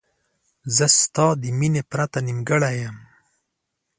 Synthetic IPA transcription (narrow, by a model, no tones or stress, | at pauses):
zəst̪ɑːd̪iminepɾat̪animɡəɽajam